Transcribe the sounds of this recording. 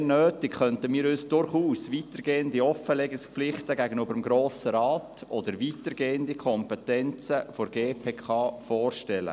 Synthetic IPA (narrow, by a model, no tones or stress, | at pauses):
nøːtɪkχœntəmiːɾyːsd̥ʊrχuːsʋiːtəɾɡeːəndiɔfəlɛɡəspflɪχtəɡæɡənybəɾəmɡɾoːsəɾɑːtɔd̪əɾʋiːtəɾɡeːəndikʰɔmpɛtɛnt͡səfoɾɡeːpʰeːkʰɑːfɔːrʃtɛlə̰